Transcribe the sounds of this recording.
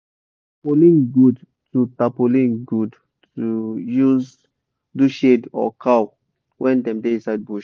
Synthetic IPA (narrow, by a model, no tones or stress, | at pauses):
polĩnɡud | tutapolĩnɡud | tujuz | duʃedɔ̰kʰaw | wʔɛ̃ndɛ̃mteĩsaɪd̚buʃ